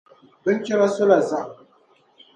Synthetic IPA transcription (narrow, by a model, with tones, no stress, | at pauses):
bɪ˦ŋ˦kʲɪ˦ɾa˦sʊ˦la˨za˦˨